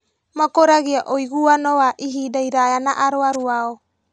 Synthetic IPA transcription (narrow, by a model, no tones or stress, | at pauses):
makoɾaɡiaʔojɡuanowaʔiɦidajɾajanaʔaɾoaɾuao